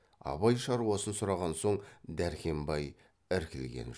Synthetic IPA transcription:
ɑ̰bɑjʃɑɾuɑsənsʊɾɑʁɑnso̞ɴd̪æɾkʲʰe̞mbɑj | ɪɾkʲɪlɡʲḛn

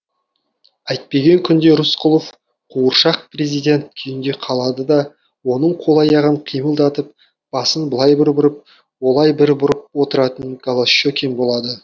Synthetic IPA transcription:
æjt̪̚pe̞ɡʲe̞ŋkʲʰʏnd̪e̞ɾʊsqʰʊlˠof | qʰuəɾʃɑq̚pre̞zijd̪ʲe̞nt̪̚kʲʰejɪnd̪e̞qʰɑlˠɑd̪əd̪ɑ | wo̞nəɴqʰo̞lˠɑjɑʁəɴqʰijməlˠd̪ɑt̪əp̚ | b̥ɑsənbəlˠɑjbɪɾbʊɾəp̚ | wo̞lˠɑjbɪɾbʊɾəp̚wo̞t̪əɾɑt̪ənɡolˠaʃokʲʰenbo̞lˠɑd̪ə

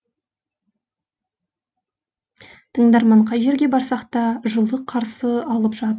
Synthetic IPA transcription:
t̪ʰəɴd̪ɑɾmɑɴqʰɑjʒe̞ɾɡʲe̞bɑɾsɑqt̪ɑʒəlˠəqʰɑɾsəɑlˠəpʒɑt̪əɾ

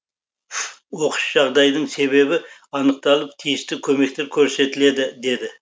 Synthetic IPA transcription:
wo̞qəʃʒ̥ɑʁd̪ɑjd̪əɴse̞βe̞bɪɑnəq̚t̪ɑlˠəpt̪ʰijɪst̪ɪkʲʰɵme̞k̚t̪e̞ɾkʲʰɵɾse̞t̪ɪle̞d̪ɪd̪e̞d̪ɪ

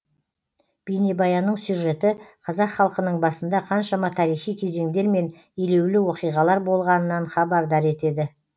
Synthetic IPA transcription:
b̥ejnebɑjɑnːəɴsjuʒe̞t̪ɪqʰɑzɑqχɑlˠqənəɴbɑsənd̪ɑqʰɑnʃɑmɑt̪ʰɑɾijχijkʲʰe̞ze̞ŋd̪e̞ɾme̞n | ele̞wlɪwo̞qijʁɑlˠɑɾbo̞lˠʁɑnənɑnχɑbɑɾd̪ɑɾe̞t̪e̞d̪ɪ

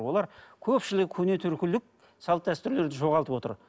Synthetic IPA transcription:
wo̞lˠɑɾkʲʰɵpʃɪlɪkʲɪkʲʰɵne̞t̪ʰʏɾkʲɪlɪk̚ | sɑlˠət̪̚d̪æst̪ʏɾle̞ɾd̪ɪʒo̞ʁɑlˠt̪əpwo̞t̪ə̰ɾ

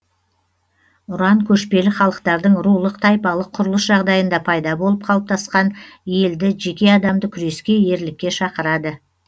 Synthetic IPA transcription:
ʊɾɑŋkʲʰɵʃpe̞lɪχɑlˠəqt̪ɑɾd̪əɴɾulˠəqt̪ʰɑjpɑlˠəqʰːʊɾəlˠəsʒɑʁd̪ɑjənd̪ɑpʰɑjd̪ɑbo̞lˠəp̚qʰɑlˠəp̚t̪ʰɑsqɑnje̞ld̪ɪʒe̞kʲe̞ɑd̪ɑmd̪əkʲʰʏɾe̞skʲe̞je̞ɾlɪkʲːe̞ʃɑqəɾɑd̪ə

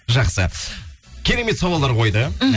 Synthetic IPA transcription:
ʒɑqsə | kʲʰe̞ɾe̞me̞t̪sɑwɑlˠːɑɾqʰo̞jd̪ə

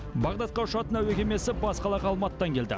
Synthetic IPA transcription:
bɑʁd̪ɑt̪̚qɑʃɑt̪ənæwekʲeme̞sɪbɑsqɑlˠɑʁɑlˠmɑt̪ːɑŋkʲʰe̞ld̪ɪ̰

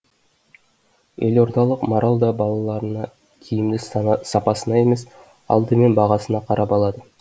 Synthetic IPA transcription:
e̞loɾd̪ɑlˠəqmoɾʔɑlˠd̪ɑbɑlˠɑlˠɑɾənɑ | kʲʰijɪmd̪ɪssɑpɑsənɑe̞me̞s | ɑ̰lˠd̪əme̞nbɑʁɑsənɑqʰɑɾɑpɑlˠɑd̪ə

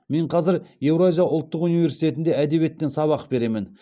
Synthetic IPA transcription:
me̞ɴqʰɑzɪɾje̞wɾazʲijɑʔʊlˠt̪ːəqunivʲe̞ɾsijt̪e̞t̪ɪnd̪e̞æd̪e̞βie̞t̪ːensɑβɑqbe̞ɾe̞mɪn

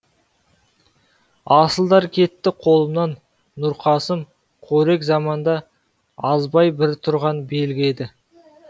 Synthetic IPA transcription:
ɑsəlˠd̪ɑɾkʲʰe̞t̪ːɪqʰo̞lˠəmnɑnː | ʊɾqʰɑsəm | qʰoɾe̞kzɑmɑnd̪ɑ | ɑzbɑjbɪɾt̪ʰʊɾʁɑnbe̞lɡʲɪe̞d̪ɪ

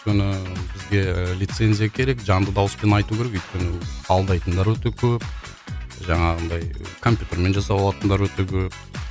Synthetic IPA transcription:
ʏjt̪kʲenɪbɪzɡʲe̞lʲijt̪se̞nzijakʲʰe̞ɾe̞kʒɑnd̪əd̪ɑwəspe̞nɑjt̪ukʲʰe̞ɾekʏjt̪̚kʲenɪɑlˠd̪ɑjt̪ənd̪ɑɾwɵt̪e̞kʲʰɵp | ʒɑɴɑʁənd̪ɑjkʰo̞mpʲjut̪e̞ɾme̞nʒɑsɑpɑlˠɑt̪ənd̪ɑɾwɵt̪ekʲʰɵp̚

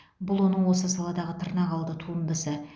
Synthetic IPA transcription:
bʊlˠwo̞nəɴwo̞səsɑlˠɑd̪ɑʁət̪ʰəɾnɑʁɑlˠd̪ət̪ʰuənd̪əsə

